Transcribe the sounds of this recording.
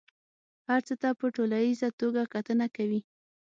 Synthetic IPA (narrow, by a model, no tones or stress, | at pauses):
haɾt͡sət̪apəʈolanizat̪oɡakat̪ənakawi